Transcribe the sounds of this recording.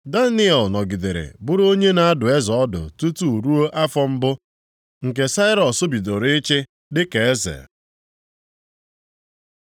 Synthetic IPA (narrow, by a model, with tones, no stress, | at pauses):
da˦nɪ˦ɛ˨lnɔ˨ɡi˨de˨ɾḛ˨bʊ˦ɾo˦ɲe˦na˦a˦dʊ˨e˦zɔ˨ɔ˦dʊ̰˨tu˦tu˦˨ɾu˦o˦ʔa˦fɔ˦m̩˦bʊ˦ | ŋ̩˨k̬e˨sa˦ɪ˦ɾɔ˨sʊ˦bi˨do˨ɾe˦t͡ʃɪ˦ | dɪ˦ke˨e˦zḛ˨